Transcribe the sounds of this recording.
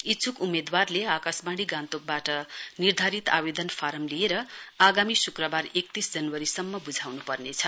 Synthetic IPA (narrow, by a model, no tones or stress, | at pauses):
it͡sukumed̪warleakasbaɽ̃iɡãnt̪ok̚baʈʌnird̪ʱaɾit̪abed̪ʌnpʰaɾʌmlieɾʌaɡamisukrʌbarek̚t̪isd͡zʌnwʌɾisʌmːʌbud͡zʱawnupʌrnet͡sʰʌ